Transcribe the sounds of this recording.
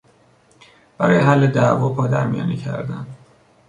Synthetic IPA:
b̥æɾɒːjeɦælːed̪ævɒːpʰɒːd̪æ̰ɾmijɒ̰ːniːcʰæ̰ɾd̪æ̰n

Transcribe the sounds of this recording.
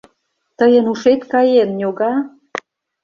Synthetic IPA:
t̪əjənuʃet̪kɑjennʲoɣɑ

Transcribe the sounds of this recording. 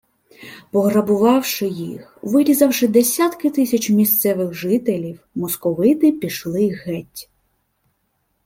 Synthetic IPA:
pɔɦɾɐbʊʋɑwʃɪjḭxʋɪɾʲizɐwʃɪd̪esʲat̪kɪt̪ɪsʲɐt͡ʃmʲist̪sɛʋɪɣʒɪt̪elʲiwmɔskɔʋɪt̪ɪpʲiʃlˠɪɣɛtʲ

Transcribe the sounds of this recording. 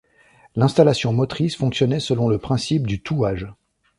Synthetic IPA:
lɛ̃st̪alasjɔ̃mɔt̪χisfɔ̃ksjɔnɛsəlɔ̃ləpχɛ̃sip̚d̪yt̪ʰuaʒ

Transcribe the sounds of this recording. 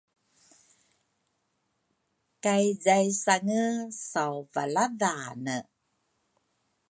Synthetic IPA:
kajzajsaŋəsawvalaðanə

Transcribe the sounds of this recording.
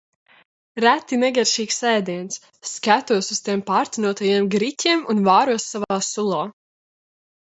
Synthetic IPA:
ɾæt̪ːinɛɡaɾʃiːksɛjd̪iɛnsː | kæt̪uɔsust̪iɛmpaːɾt̪ʲinuɔt̪ajiɛmɡɾitʲiɛmunvaːɾuɔsːavaːsulˠaː

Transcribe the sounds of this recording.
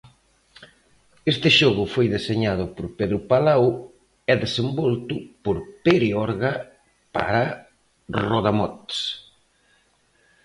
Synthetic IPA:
est̪ɪʃɔɣʊfojðeseɲað̞ʊpoɾpeðɾʊpalaw | ɛðesembɔlt̪ʊpoɾpeɾeɔɾɣa | pa̰ɾa | rɔðamɔt̪s

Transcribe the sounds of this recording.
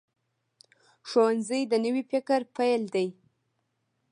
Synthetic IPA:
ʃowanzəjd̪ənəwifɪkəɾpajld̪aj

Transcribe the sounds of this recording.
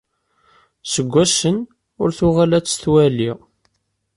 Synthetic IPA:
səɡʷːæsən | ʊɾθʊʁalæt͡sːθwæliʁ

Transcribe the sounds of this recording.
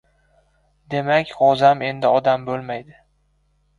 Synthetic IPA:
d̪e̞makʲɒzame̞nd̪ɪɒd̪ambolˠmajd̪ɪ

